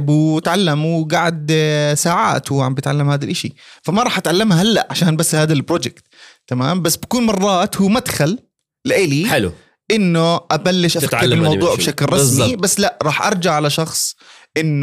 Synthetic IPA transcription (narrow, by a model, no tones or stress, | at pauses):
buwɪt̪ʕalːamwɡaʕd̪saːʕa̰ːt̪wʕambjɪt̪ʕalːamhaːd̪alʔaʃifamaɾˤɑːħʔat̪ʕalːamahalːa̰ʔʕaʃaːnbasːhaːd̪albɾˤoːd͡ʒɪkt̪t̪ːamaːmbasːbakuːnmɑrˤːɑːt̪huːmad̪xalː | ɪʔɪːliħɪl̰ | ʔɪnːuʔabalːɪʃʔafakːɾɪlmɑw̪ˤuːʕbʃaklɾˤɑsmbasːlaʔɾˤɑːħʔɑɾˤd͡ʒaʕalaʃɑxsˤʔɪnː